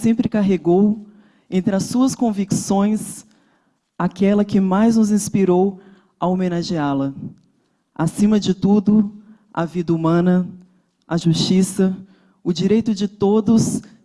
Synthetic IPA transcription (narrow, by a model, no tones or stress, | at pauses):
sẽmpɾɪkaɦeɡow | ẽnt̪ɾɪɐsuɐskõviksõj̃s | akɛlɐkɪmajznʊzĩspiɾow | ɐomenaʒialɐ | asĩmɐd͡ʒɪt̪ud̪ʊ | ɐ̰vid̪ɐumɐ̃nɐ | ɐʒuʃt͡ʃisɐ | ʊd͡ʒiɾejt̪ʊd͡ʒɪt̪od̪ʊs